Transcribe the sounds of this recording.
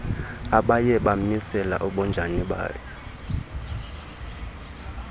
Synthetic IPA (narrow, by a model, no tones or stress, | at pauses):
aɓajɛɓamisɛla̰ʔɔɓɔnd͡ʒʱaniɓa̰ːjɛ